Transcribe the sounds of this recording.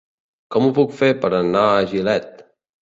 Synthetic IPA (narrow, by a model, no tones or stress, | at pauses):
kɔmupukfepəɾənaəʒilɛt̪̚